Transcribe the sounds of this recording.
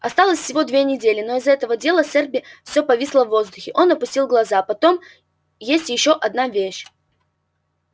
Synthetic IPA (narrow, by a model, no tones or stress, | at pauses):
ɐst̪alˠəsʲfsʲɪvo̞d̪vʲe̞nʲɪdʲelʲɪno̞ɪzɛt̪əvədʲe̞lˠəsʲɛrbʲɪfsʲo̞pɐvʲisʲlˠəvːo̞zd̪ʊxʲɪʔo̞nɐpʊsʲtʲilˠɡlˠɐzapɐt̪o̞m | jesʲtʲjɪɕːo̞ʔɐd̪̚navʲeɕ